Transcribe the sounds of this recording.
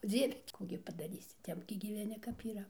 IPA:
ˈd͡zʲiɛʋʲɛ ˈkuː ɡʲɪ pɐdɐˈrʲiːsʲɪ ˈtʲɛp ɡʲɪ ɡʲiːʋʲɛˈnʲɪ kɐp iːˈrɐ

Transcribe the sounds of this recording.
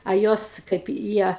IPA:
ɐ ˈjoːs kɐɪp ɪ ˈjiɛ

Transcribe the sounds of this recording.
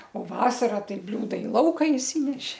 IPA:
oː ˈʋɑːsɐrɐ ˈtɐɪ ˈbʲlʲuːdɐ ɪ ˈlˠɐʊkɐ ɪʃʲˈsʲiːnʲɛʃʲɪ

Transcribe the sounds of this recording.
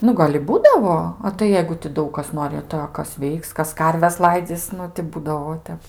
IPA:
ˈnʊ ɡɐlʲ ɪ ˈbuːdɐʋoː ɐ tɐɪ ˈjɛɪɡʊ tʲɪ ˈdɐʊk kɐs ˈnoːrʲɪ tɐɪ ɐ ˈkɐs ˈʋʲɛɪks ˈkɐs ˈkɐrʲʋʲɛs ˈlˠɐɪd͡zʲiːs ˈnʊ tʲɪ ˈbuːdɐʋoː ˈtʲɛp

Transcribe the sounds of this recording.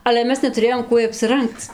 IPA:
ɐlʲɛ ˈmʲɛs nʲɛtʊˈrʲeːjoːm ˈkuɔj ɐpʲsʲɪˈrɐŋkt͡s

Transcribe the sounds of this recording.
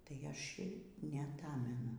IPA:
tɐɪ ˈɐʃʲ ɪr nʲɛɐˈtɑːmʲɛnʊ

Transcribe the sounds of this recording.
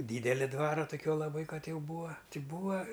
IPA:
ˈdʲiːdʲɛlʲɪ ˈdʋɑːrɐ toːˈkʲuɔ lˠɐˈbɐɪ ˈkɐt ˈjɛʊ ˈbuːɐ ˈtʲɪ ˈbuːɐ

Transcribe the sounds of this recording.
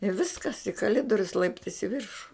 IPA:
ɪ ˈʋʲɪskɐs ɪ kɐˈlʲɪdoːrʲʊs ˈlˠɐɪptɐɪs ɪ ˈʋʲɪrʃʊ

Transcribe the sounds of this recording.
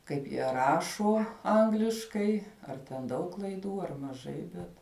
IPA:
ˈkɐɪp jiɛ ˈrɑːʃoː ˈɐŋɡlʲɪʃkɐɪ ɐr tʲɛn ˈdɐʊk klˠɐɪˈduː ɐr mɐˈʒɐɪ ˈbʲɛt

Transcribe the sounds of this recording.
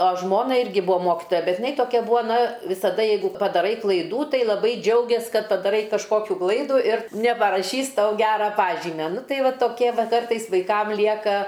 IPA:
ɐ ˈʒmoːnɐ ˈɪrʲɡʲɪ ˈbʊɐ ˈmoːkʲɪtoːjɛ ˈbʲɛt jɪˈnɐɪ toːˈkʲɛ ˈbʊɐ ˈnɐ ʋʲɪsɐˈdɐ ˈjɛɪɡʊ pɐdɐˈrɐɪ klˠɐɪˈduː ˈtɐɪ lˠɐˈbɐɪ ˈd͡ʒʲɛʊɡʲeːs ˈkɐt pɐdɐˈrɐɪ kɐʃˈkoːkʲuː ˈklˠɐɪduː ɪr nʲɛpɐrɐˈʃʲiːs ˈtɐʊ ˈɡʲæːrɐ ˈpɑːʒʲiːmʲɛ ˈnʊ ˈtɐɪ ˈʋɐ toːˈkʲiɛ ˈʋɐ ˈkɐrtɐɪs ʋɐɪˈkɐm ˈlʲiɛkɐ

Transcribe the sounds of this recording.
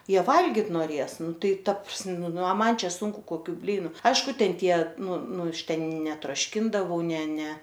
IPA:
ˈjiɛ ˈʋɐlʲɡʲɪt noːˈrʲeːs ˈnʊ ˈtɐɪ ˈtɐ prɐs ˈnʊ ɐ ˈmɐn ˈt͡ʃʲɛ ˈsʊŋkʊ koːˈkʲuː ˈbʲlʲiːnʊ ˈɐɪʃkʊ ˈtʲɛn ˈtʲiɛ ˈnʊ ˈnʊ ˈɐʃ ˈtʲɛn nʲɛtroːʃʲˈkʲɪndɐʋɐʊ ˈnʲɛ ˈnʲɛ

